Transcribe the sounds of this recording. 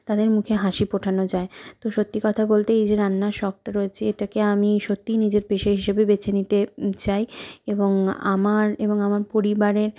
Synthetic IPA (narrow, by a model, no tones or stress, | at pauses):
t̪ad̪eɾmukʰeɦaʃipoʈʰanod͡ʑaet̪oʃot̪ːikɔt̪ʰabolt̪eejd͡ʑeɾanːaʃɔk̚ʈaɾoet͡ɕʰeeʈakeamiʃot̪ːinid͡ʑeɾpeʃeɦiʃebebet͡ɕʰenit̪et͡ɕajeboŋa̰maɾeboŋamaɾpoɾibaɾeɾ